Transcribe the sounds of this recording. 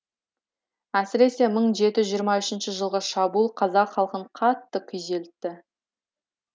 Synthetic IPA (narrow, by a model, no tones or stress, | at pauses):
æsɪɾe̞se̞məɴʒe̞t̪ɪʒijəɾmɑʏʃɪnʃɪʒəlˠʁəʃɑbuːlˠqʰɑzɑqχɑlˠqəɴqʰɑt̪ːəkʲʰʏze̞lɪt̪ːɪ